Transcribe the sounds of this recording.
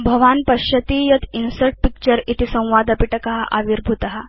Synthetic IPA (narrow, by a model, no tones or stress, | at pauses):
bʱəʋanpəɕət̪iːjət̪ʰinsəʈ̚pik̚t͡ɕəɾit̪isə̃w̃ʋad̪ɐpiʈəkaɦaʔaʋiɾbʱut̪aɦa